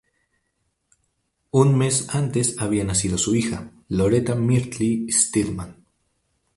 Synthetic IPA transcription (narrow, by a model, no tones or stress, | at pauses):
unme̞sant̪e̞saβ̞ianasiðo̞suixa̰ | lo̞ɾe̞t̪amiɾt̪list̪ilman